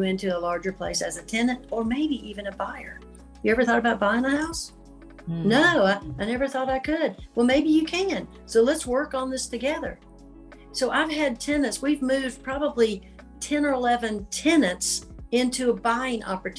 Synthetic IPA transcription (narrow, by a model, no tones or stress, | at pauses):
ɪ̃ntʉəlɑɹd͡ʒə˞pʰl̥eɪsɨzɨtʰɛ̃nɨ̃ntə˞meɪbiʔivɨ̃nɨbaɪə̰˞ | jɨɛvə˞θɔɾəbaʊt̚b̥aɪɪ̃ŋəhaʊs | noʊaɪnɛvə˞θɔɾaɪkʰɨd̚wɛlˠmeɪbijɨkʰæ̃n | soʊlətswɜ˞kn̩ðɪstʰɨɡɛðə̰˞ | soʊʔaɪv̥ɨd̚tʰɛnɨ̃ntswivmʉvdpʰɹ̥ɑbəbli | tʰɛ̃nə˞əlɛvɨ̃ntʰɛnɨ̃ntsɪ̃ntʰʉəbaɪɪ̃ŋʔɑ̰pə˞tʰ